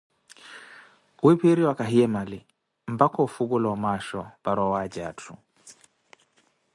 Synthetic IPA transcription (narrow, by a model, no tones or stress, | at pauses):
wipiɾiwakaɦiɛmali | m̩bakɔufuɡulɔamaʃɔbaɾɔwad͡ʒatʰu